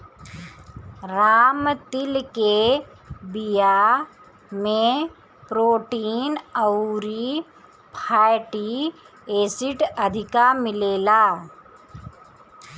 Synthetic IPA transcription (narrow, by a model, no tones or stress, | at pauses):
ɾaːmt̪ɪlke | bija | mẽ | pɾoːʈiːnəwɾi | pʰaːjʈi | eːsɪʈɐd̪ʱɪkamɪleːlaː